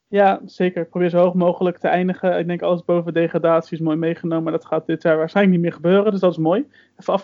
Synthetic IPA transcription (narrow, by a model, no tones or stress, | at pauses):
jaːz̥ejkəɹɪk̚probɪːɹzoɦoχmowχələk̚təɛjndəχəɪɡ̚dɛŋkɑ̰ləzbowvədejχraːdaːtsiɪs̬moːjmejχənowməmadɑtχaːt̚dɪtaːɹʋaːɹsχɛjlək̚nit̚mɪːɹχəbøːrəndɵsdɑtɪs̬moːj | fnɑf